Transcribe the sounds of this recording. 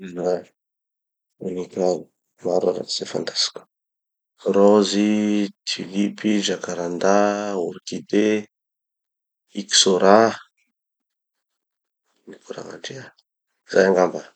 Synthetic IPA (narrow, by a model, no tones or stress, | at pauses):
na | unikau | maɾaɾa̰ti̥z̥efa̰nt̪ḁsi̥ku̥ | rɔzit̪ʰilipid͡ʒakaɾand̪auɾikid̪e | iki̥soɾa | nipuɾa̰ŋa̰ʈ͡ʂia | zajaŋɡamba